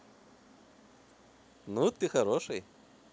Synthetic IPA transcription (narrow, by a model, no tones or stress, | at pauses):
nut̪ɨxɐɾoʂɨj